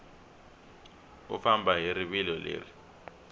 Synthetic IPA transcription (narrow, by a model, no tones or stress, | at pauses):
ṵfambʱaɦiɾiɓilɔlḛːri